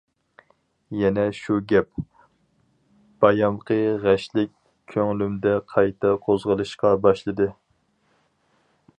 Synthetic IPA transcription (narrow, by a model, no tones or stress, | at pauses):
jɛnɛʃuɡʲɛp̚ | b̥ɑjɑmqʰəʁæʃlɪkʲʰː | øŋlymd̪ɛqʰɑjt̪ʰɑqʰozʁəlˠɨʃqɑbɑʃlˠɨd̪ɨ